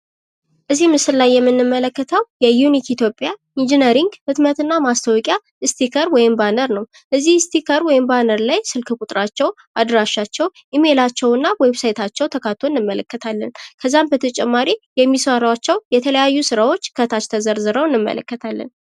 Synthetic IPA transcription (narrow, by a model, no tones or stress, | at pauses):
ʔɨzːimɨsɨɾlajːɛmːɨnːɨmːələkːət̪ʰəwjɛjunikit̪ʰjo̞pʼja | ind͡ʒinəɾiŋɡhɨt̪mət̪ɨnːamast̪ʰəwɔkʼja | ɨst̪ʰikʰəɾwɔjɪmbanəɾnəw | ʔəzːihst̪ʰikʰəɾwɔjɪmbanəɾlajsɨlkʰɨkʼut̪ʼɾat͡ʃːɛw | ʔad̪ɾaʃːat͡ʃːɛwʔime̞lat͡ʃːɛwɨnːawebsajt̪ʰat͡ʃːɛwt̪ʰəkʰat̪ʰonːɨmːələkːət̪ʰalːənkʰəzːambət̪ʰət͡ʃʼɛmːaɾijɛmːiswaɾəwat͡ʃːɛwjɛt̪ʰələjajːusɨɾawo̞t͡ʃːkʰət̪ʰat͡ʃt̪ʰəzəɾzɨɾəwɨnːɨmːə̰lə̰kːət̪ʰalːə̰n